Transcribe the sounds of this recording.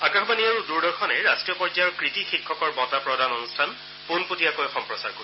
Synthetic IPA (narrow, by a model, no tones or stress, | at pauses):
akaxɔbaniaɹuduɹdɔɹxʰɔnɛɹastɹijɔpɔɹd͡ʒajɔɹkɹitixikʰːɔkɔɹbɔtapɹɔdʱanɔnustʰan | punputijakojxɔmpɹɔsa̰ɹko